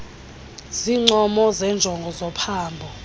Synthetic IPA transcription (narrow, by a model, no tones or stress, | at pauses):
ziŋ͡ǃɔmɔzɛnd͡ʒʱɔŋɡʱɔzɔpʰaːmbʱɔ